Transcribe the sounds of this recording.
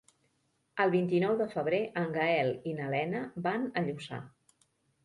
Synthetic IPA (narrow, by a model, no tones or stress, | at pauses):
əlˠβint̪inɔwðəfəβ̞ɾeʔəŋɡaɛlinəlɛnəbanəʎusa̰